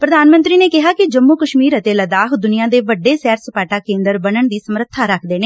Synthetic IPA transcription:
pɾəd̪aːnmə̃nt̪ɾiːneːkɪɦaːkɪd͡ʒəmːuːkəʃmiːɾət̪eːləd̪aːɦd̪ʊniːãːd̪eːʋəɖːeːsɛːɾsəpaːʈaːkẽːnd̪əɾbənəɳd̪iːsəmɾət̪ʰːaːɾəkʰd̪eːneː

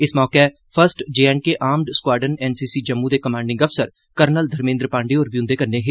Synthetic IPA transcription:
ɪsmɔːkeː | pʰəɾsʈd͡ʒeːɛːɳ̚keʔaːmɖskwaːɖənɛːnsiːsiːd͡ʒəmːũd̪eːkəmãːɳɖɪ̃ŋɡəfsəɾ | kəɾnəld̪ʱəɾmẽːnd̪ɾpãːɳɖeːɔːɾbijũnd̪eːkənːeːɦɪ

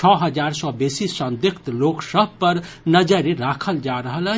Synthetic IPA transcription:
t͡ʃʰɔɦəd͡ʒaɾsɔbesisənd̪ɪkʰt̪loksəb̚ʱpəɾnəd͡ʒəɾeɾakʰəld͡ʒaɾəɦələ

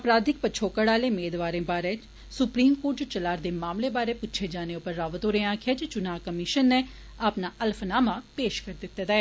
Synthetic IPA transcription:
əpɾaːd̪ɪk̚pəːt͡ʃʰoːkəɽaːleːmeːd̪ʋaːɾẽːbaːɾeː | sʊpɾiːmkoːɾʈ̚d͡ʒot͡ʃəlaːɾd̪eːmaːmleːbaːɾeːpʊtːʃʰeːd͡ʒaːneːʊpːəɾːaːʋət̪oːɾeːãːkʰɪeaːd͡ʒet͡ʃʊnaːkəmɪʃənːeː | aːpnaːʔəlpʰnaːmaːpeːʃkəɾd̪ɪt̪ːed̪aɛː

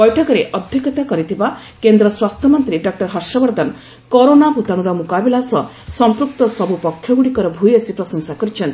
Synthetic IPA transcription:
bɔjʈʰɔkɔɾeʔɔd̪ʱjɔkɔt̪akɔɾit̪ʰiba | kend̪ɾɔswast̪ʰjɔmɔnt̪ɾiɖɔk̚ʈɔɾɦɔsɔbɔɾd̪ʱan | koɾonaput̪aɽ̃uɾɔmukabilasɔ | sɔmpɾuk̚t̪ɔsɔbupɔkʰjɔɡuɽikɔɾɔbʱujɔsipɾɔsɔŋsakɔɾit͡ʃʰɔnt̪

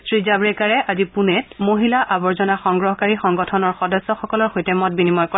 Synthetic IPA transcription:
sɹizabɹɛkaɹɛʔazipunɛtmoɦilaʔabɔɹzɔnaxɔŋɡɹɔɦɔkaɹixɔŋɡɔtʰɔnɔɹxɔdɔsːɔxɔkɔlɔɹxojtɛmɔt̚binimɔjkɔ

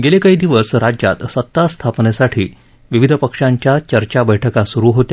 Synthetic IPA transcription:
ɡelekaɦiːd̪iʋəsɾad͡ʑja̰t̪sət̪ːast̪ʰapnesaʈʰiː | ʋiʋid̪ʱəpəkʂaɲt͡ɕjat͡ɕəɾt͡ɕabəjʈʰəkasuɾuːɦot̪ja

